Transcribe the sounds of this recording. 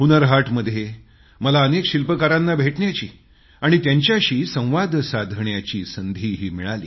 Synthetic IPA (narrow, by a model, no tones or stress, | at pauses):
unəɾɦaʈməd̪ʱːje | məlaənekɕilpəkaɾanːabʱeʈɳjat͡ɕiː | aɽ̃it̪jaɲt͡ɕjaɕiːsə̃w̃ʋad̪ʱsad̪ʱɳjat͡ɕiːsənd̪ʱiːɦiːmiɭalḭː